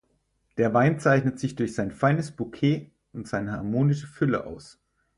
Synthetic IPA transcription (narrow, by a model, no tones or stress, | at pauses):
d̥eːɐvaɪnt͡saɪçnətz̥ɪçd̥ʊɐçz̥aɪnfaɪnəsb̥ukʰeː | ʔʊntz̥aɪnəhaɐmoːnɪʃəfʏlə̰ʔa̰ʊs